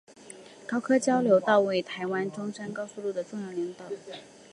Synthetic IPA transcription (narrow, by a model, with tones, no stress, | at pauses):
kɑ˥ʊkʰɤ˥t͡ɕjɑ˥ʊljo˧˥ʊt̪ɑ˥˩ʊwe˥˩ɪt̪ʰa˧˥ɪwa˥nʈ͡ʂʊ˥ŋʂə˥nkɑ˥ʊsu˥˧lu˥˩d̪ə˩t͡sŋjə˧˩li˧˥ŋt̪ɤ˨˩˦